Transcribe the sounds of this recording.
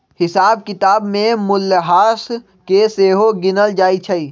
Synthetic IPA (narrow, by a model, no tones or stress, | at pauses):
hɪsaːb̚kɪt̪aːbmẽmʊlːəɦaːs | keseːɦoɡɪnəld͡ʒaːit͡ʃʰəi